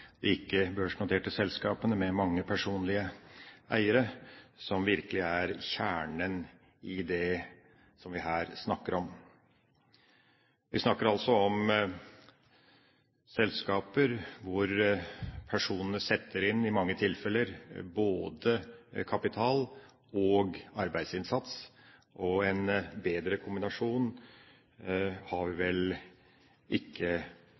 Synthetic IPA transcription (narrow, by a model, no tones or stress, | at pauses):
d̪̥ɛɪkːəbøːʂnʊt̪ʰeːʈəsɛlskɑːpənəmɛmɑŋːəpʰæʂuːnlɪəʔæɪəɾəsɔmʋɪɾkəlɪæɾçæːɳən | ɪd̪ɛ | sɔmʋɪɦæːɾsnɑkːəɾɔm | ʋɪsnɑkːəɾɑlsɔɔm | sɛlskɑːpəɾʋʊɾ | pʰæʂuːnənəsɛt̪ʰːəɾɪnːɪmɑŋːət̪ʰɪlfɛlːəɾboːd̪əkʰɑpɪt̪ʰɑːl | ɔːɡɑɾbæɪd̪sɪnsɑt̪sʔɔɛnbeːd̪ɾəkʰʊmbɪnɑʂuːn | hɑɾʋɪʋɛl | ʔɪkʰːə